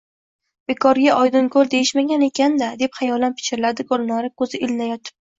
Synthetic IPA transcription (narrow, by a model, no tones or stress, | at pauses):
b̥e̞kʰɒɾɡʲaʔɒjd̪ʊnkʰɵld̪e̞jɪʃmaɡʲane̞kʲand̪ad̪e̞pχajɒlanpʰɪ̥t͡ʃʲɪɾɪlad̪ɪɡɒlˠnɒɾɪkʰɵzɪʔɪlnajɒt̪ʰɪ̥p̚